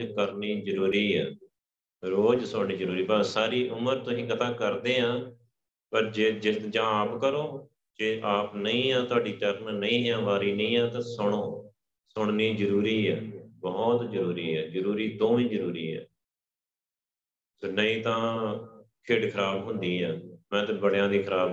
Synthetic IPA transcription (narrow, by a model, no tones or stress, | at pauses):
kəɾniːzəɾuːɾiːɛː | ɾoːd͡ʒsʊɳniːd͡ʒəɾuːɾiːpaːsaːɾiːʔʊməɾt̪ʊsĩːkət̪ãːkəɾd̪eːɦãː | pəɾd͡ʒeːd͡ʒɪt̪d͡ʒãːaːpkəɾoː | d͡ʒeːʔaːpnəĩːãːt̪ʊaːɖiːt͡ʃəɾnnəĩːɦãːʋaːɾiːnəĩːɛ̃ːt̪ãːsʊɽ̃õː | sʊɽ̃niːzəɾuːɾiːɛːbɔt̪d͡ʒəɾuːɾiːɛːzəɾuːɾiːd̪õːʋĩːd͡ʒəɾuːɾḭːɛ̰ː | soːnəĩːt̪ãː | kʰeːɖkʰəɾaːbɦʊnd̪iːɦãːmɛ̃ːt̪ɛ̃bəɽjãːd̪iːkʰəɾaːb